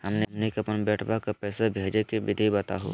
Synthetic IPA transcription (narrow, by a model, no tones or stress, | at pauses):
ɦəmnemnikɐpənbɛːʈʰbakapɛːsabʱeːd͡ʒekebɪd̪ʱibɐt̪a̰ɦo̰ː